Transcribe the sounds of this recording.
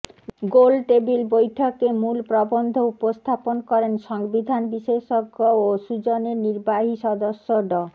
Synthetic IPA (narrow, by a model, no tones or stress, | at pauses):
ɡolʈebilbojʈʰokemulpɾɔbond̪ʱoupost̪ʰaponkɔɾenʃɔŋbid̪ʱanbiʃeʃoɡooʃud͡ʑoneɾniɾbaɦiʃɔd̪oʃːoɖɔ